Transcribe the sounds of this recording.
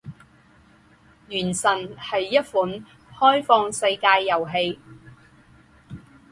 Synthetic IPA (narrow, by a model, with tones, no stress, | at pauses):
jyː˨˩nsɐ˨˩nhɐ˨jːɐ˥t̚fuː˨˥n | hɔː˥jfɔː˧ŋsɐ˧jkaː˧jːɐ˨˩wɦe˧j